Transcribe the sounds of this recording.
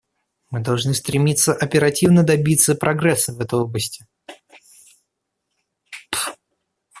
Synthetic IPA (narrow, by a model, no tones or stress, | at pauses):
mɨd̪ɐlˠʐnɨst̪ɾʲɪmʲit̪səʔɐpʲɪɾɐtʲivnəd̪ɐbʲit̪sːəpɾʔɐɡɾɛsːəvɛt̪əjo̞blˠəsʲtʲɪ